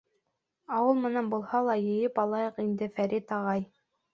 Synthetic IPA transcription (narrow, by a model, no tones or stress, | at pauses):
ɑwɤlˠmɘ̆nænbulˠhɑlˠɑjɘ̆jɘpɑlˠɑjɤqind̪ɘfæɾit̪ɑʁɑj